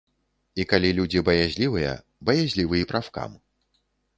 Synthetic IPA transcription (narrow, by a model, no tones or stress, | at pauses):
ikalʲilʲud͡zʲibɐjazʲlʲivɨjɐ̰ | bɐjazʲlʲivɨjipɾawka̰m